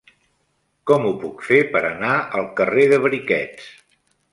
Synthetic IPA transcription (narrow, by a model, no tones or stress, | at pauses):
kɔmupukfepəɾənaəlˠkəreðəβɾikɛt͡s